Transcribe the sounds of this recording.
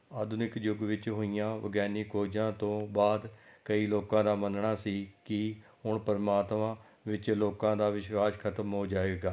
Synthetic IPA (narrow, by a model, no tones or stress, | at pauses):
aːd̪ʱʊnɪkd͡ʒʊɡʋɪt͡ʃɦoːijãːʋə̰ɡɛːniːkoːd͡ʒãːt̪õːbaːd̪kəiːloːkãːd̪aːmənɳaːsiːkɪ | ɦʊɳpəɾmaːt̪mãː | ʋɪt͡ʃloːkãːd̪aːʋɪʃwaːskʰət̪əmɦoːd͡ʒaːeːɡaː